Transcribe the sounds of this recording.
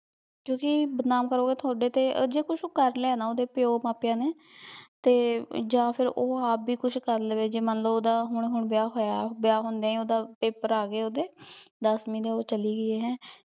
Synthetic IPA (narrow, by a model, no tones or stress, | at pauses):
kjõːkɪbəd̪naːmkəɾoːɡeːt̪ʰʊaːɖeːt̪ḛːd͡ʒeːkʊʃʰoːkəɾnlɛːnaːoːd̪eːpɪjoːmaːpjãːneː | t̪eːd͡ʒãːpʰɪɾoːaːpbiːkʊt͡ʃʰkəɾləʋeːd͡ʒeːmənləboːd̪aːɦʊɳ̃ɦʊɳbɪjaːɦoːjabjaːɦʊ̃nd̪eɛ̃ːioːd̪aːpeːpəɾaːɡeːoːd̪eːd̪əsmĩːd̪eːoːt͡ʃəliːɡəeːɦɛ̃ː